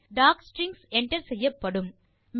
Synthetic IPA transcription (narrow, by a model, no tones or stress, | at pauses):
ɖaːksʈɾɪŋsɛɳʈɐɾsɛjːɐpːɐɽɯm | m